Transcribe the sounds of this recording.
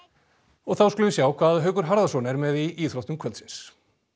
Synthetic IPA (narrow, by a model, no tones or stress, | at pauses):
ɔɣθawskʏlʏvɪsjaːwkʰvaːðɦœːɥkʏɾ̥ɦaɾðasɔːnɛɾmɛðiʔiːθɾɔwt̪mkʰœlt̪sɪns